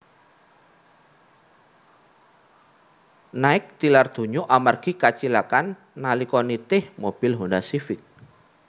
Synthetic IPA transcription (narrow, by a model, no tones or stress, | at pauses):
naɪk̚t̪ilard̪̥ṳɲoʔamarɡ̥ikat͡ʃilakanː | alikɔnit̪ɪhmob̥ɪlɦonasifɪk̚